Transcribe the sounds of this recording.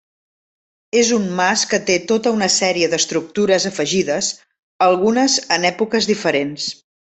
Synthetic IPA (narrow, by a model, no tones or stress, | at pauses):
ezummaskət̪et̪ot̪əunəsɛɾiəðəst̪ɾuk̚t̪uɾəzəfəʒiðəz | əlˠɣunəzənɛpukəzðifəɾens